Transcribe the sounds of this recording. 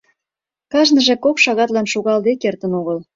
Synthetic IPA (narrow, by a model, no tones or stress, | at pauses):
kɑʒnəʒekokʃɑɣɑt̪lɑnʃuɣɑld̪ekert̪ənoɣəl